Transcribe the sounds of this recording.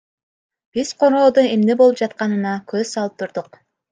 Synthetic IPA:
b̥iz̥qʰo̞ɾoːd̪oemnebo̞lˠɯp̚d͡ʒɑt̪̚qɑnɯnɑkøzsɑlˠɯp̚t̪ʰuɾd̪uq

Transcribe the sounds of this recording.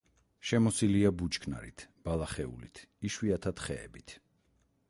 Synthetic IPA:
ʃɛmɔsiliabut͡ʃkʰna̰ɾḭt̪ʰb̥alˠaχɛṵlḭt̪ʰiʃwiat̪ʰat̪ʰχɛ̰ːbit̪ʰ

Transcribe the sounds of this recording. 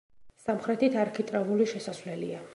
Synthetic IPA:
samχɾɛt̪it̪ʰaɾkʰit̪ʼɾavuliʃɛsasvlɛlḭa

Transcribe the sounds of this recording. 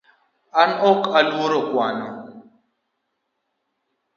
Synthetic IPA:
anokaloɾokwaːno̰

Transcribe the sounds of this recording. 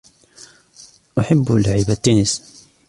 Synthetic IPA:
ʔaħabːlaʕɪbat̪ːuːnɪs

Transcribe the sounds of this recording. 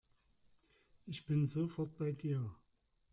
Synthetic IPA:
ʔɪçb̥ɪnzofɔɐt̚b̥aɪdiːɐ

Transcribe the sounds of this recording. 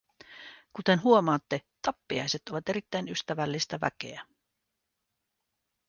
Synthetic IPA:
kut̪e̞nɦuo̞mɑːt̪ːe̞t̪ɑpːiɑ̰jse̞t̪o̞ʋɑt̪e̞ɾit̪ːæjnyst̪æʋælːist̪æʋæ̰k̟e̞̰æ

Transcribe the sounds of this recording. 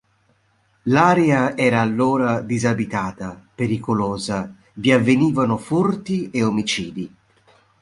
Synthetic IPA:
laːɾeaɛːɾaːlːoːɾad̪izabit̪aːt̪apeɾikoloːza | viavːeniːvanʊfurt̪ieomit͡ʃiːd̪i

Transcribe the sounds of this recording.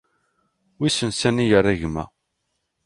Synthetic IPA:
wisənsænijəɾˤːæʝmæ̰

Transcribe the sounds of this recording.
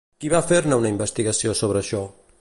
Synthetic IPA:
kiβafeɾnaunaimbəst̪iɣasiosoβ̞ɾəaʃɔ

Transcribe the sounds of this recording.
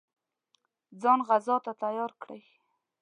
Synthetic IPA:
d͡zɑnɣazɑt̪at̪ajɑɾkɽə̰j

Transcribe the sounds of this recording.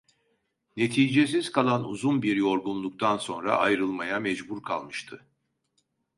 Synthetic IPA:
ne̞t̪ʰiːd͡ʒes̬iz̥kʰalˠanṵzunbiɾjo̞ɾɡunlˠuk̚t̪ʰanso̞nɾa̰ʔajɾɯlˠmajamɛd͡ʒbuɾkʰa̰lˠmɯʃt̪ʰɯ

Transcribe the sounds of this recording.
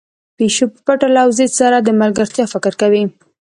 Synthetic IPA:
peʃopəpaʈalawzesaɾad̪əmalɡəɾt̪jɑfɪkɪɾkawi

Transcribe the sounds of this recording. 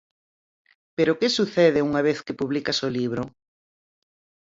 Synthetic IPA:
peɾokesuθeðɪuŋaβ̞eθkepuβlikasoliβ̞ɾo

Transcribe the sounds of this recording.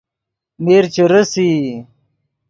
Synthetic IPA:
meːɾt͡ɕeɾəsi

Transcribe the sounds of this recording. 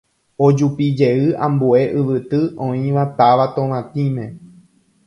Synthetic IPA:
od͡ʒupid͡ʒe̞ɨãmbue̞ʔɨʋɨt̪ɨʔõĩʋat̪aʋat̪õʋãt̪ĩmẽ̞

